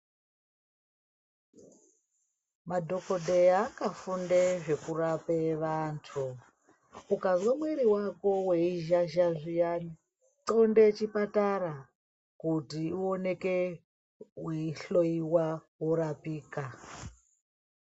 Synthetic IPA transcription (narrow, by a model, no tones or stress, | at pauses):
madʱo̞ko̞dʱeakafundeʐe̞kurapeʋantʰu | ukazwemweɾiwako̞weiʒaʒaʐijani | ǀondet͡ʃipataɾa | kutiuone̞ke | weiɬo̞iwawoɾapiːka